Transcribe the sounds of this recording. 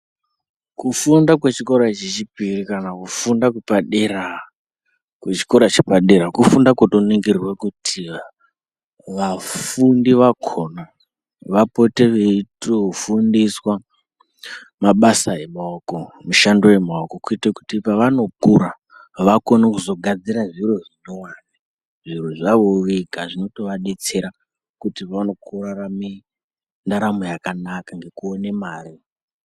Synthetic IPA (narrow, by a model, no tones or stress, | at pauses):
kufundakwet͡ʃiko̞ɾat͡ʃet͡ʃipirikanakufundakupaɗera | kwet͡ʃi̥ko̞ɾat͡ʃepaɗe̞ɾakufundakotoniŋɡirrwekutʰi | ʋafundiʋakʰo̞na | ʋapo̞te̞ʋeitofundiswa | maɓasaemaokomuʃandojemaokokuitaku̥tipaʋano̞kuɾa | ʋako̞nakuzo̞ɡʱad͡ziɾaʐiroʐinowani | ʐiroʐaʋoʋikaʐino̞to̞ʋaɗet͡seɾa | kutiano̞kʰurarami | ndaɾamojakanakaŋɡe̞kuone̞maːɾi